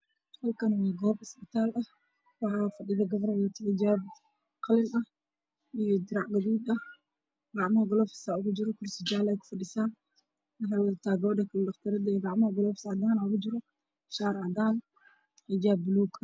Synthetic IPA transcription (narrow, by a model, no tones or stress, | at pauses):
d̪qɔlkʰɐnwɑːɡɔːbɪsbɪt̪ʰaːlɐh | wɑħɑːfɐɖɪðɐɡɐβɾjat̪ʰɪðɐd͡ʒab | qɑlɪnɐ | ijɔd̪ɪɾɑʕɡɐðuːd̪ɐ | ɡɑʕmɐhɐɡɔlɔːfɪ̥saʊɣʊd͡ʒɪɾɔkʰʊrsɪd͡ʒaːlɛjkʰʊ̥fɐɖɪsaːn | nɐħawɐðɐt̪ʰaːɡɔːdɛkʰɐldɑχt̪ʰɐɾɐd̪jɡɑʕmɐhɐɡɔlɔfɪ̥sɑd̪aːnaʊɣʊd͡ʒɪɾɔ | ʃaːɾʕɑd̪aːn | id͡ʒaːbːʊluːɡ